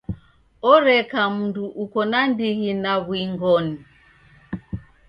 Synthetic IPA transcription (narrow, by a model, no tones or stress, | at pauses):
ɔɾɛkam̩nduʔukɔnandiɣinaβwiŋɡɔni